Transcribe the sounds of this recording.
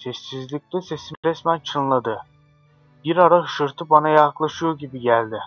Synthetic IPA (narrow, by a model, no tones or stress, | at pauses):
sɛsːizlʲic̚ʲlʲɛsesimɾɛsmænt͡ʃʰɯnlˠad̪ɯ | biɾaɾaʃɯɾt̪ʰɯbanajaklˠaʃɯjoɟibiɟælʲd̪ɪ